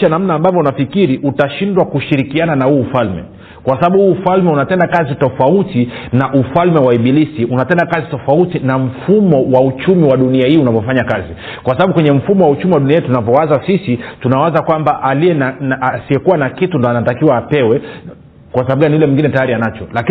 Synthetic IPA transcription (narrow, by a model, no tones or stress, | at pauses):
ʃanam̩naːmbavɔunafikiɾiʔutaʃindwakuʃiɾikiananahuːfalmɛ̰ | kwasaɓaɓuhuːfalmɛunapɛndakazitɔfautinaʔufalmɛwaiɓilisiʔunapɛndakazitɔfautinam̩fumɔwaut͡ʃumiwaɗuniahiːunavɔfaɲakazi | kwasaɓaɓukwɛɲɛm̩fumɔwaut͡ʃumiwaɗuniatunavɔwazasisitunawazakwambaʔaliɛnanasiɛkuwanakitundɔanatakiwaːpɛwɛ | kwasaaɓuɡaniulɛmwiŋɡinɛtajaɾianat͡ʃɔlaki